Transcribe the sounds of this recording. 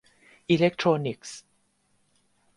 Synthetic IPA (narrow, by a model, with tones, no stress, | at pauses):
ʔi˧lɛ˦˥k̚t̪ʰɹo˧ni˨˩k̚s